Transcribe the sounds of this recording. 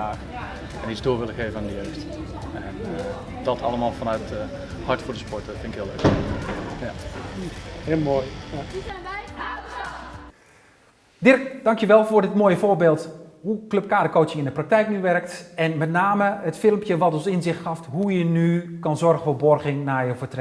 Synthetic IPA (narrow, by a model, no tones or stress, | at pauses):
aːx | ɛnizdoːʋɪləɣeːvənandəjøːxt | ɛn | dɔtʰɑlˠəmaːlˠfanœɥtə | hɑɹtfoːɹdəspɔɹtəfɪnɪkɦɪːlək | ja | hɪlˠmojja | dɪrkd̥ɑŋkjəʋɛlˠvoːɹdɪtmoːjəfoːbeːlˠthukløp̚kaːdəkoːtsjəɪndəprak̚tɛjknyʋɛrktɛnmɛtnaːməətfɪlˠəmpjəʋɔtɔnsɪnzɪxtxɑftɦujənykɑnzɔrxfoːbɔrɣɪŋnajəfətrɛ